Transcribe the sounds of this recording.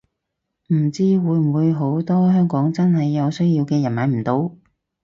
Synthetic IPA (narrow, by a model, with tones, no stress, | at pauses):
m̩˨˩t͡siː˥wuː˨˧jm̩˨˩wuː˨˧jɦo˨˥wt̪ɔː˥ɦœː˥ŋkɔː˨˥ŋt͡sɐ˥nɦɐ˨jːɐ˨˧wsɵ˥ɥji˧wkɛː˧jɐ˨˩nmɐ˨˧˥m̩˨˩t̪o˧w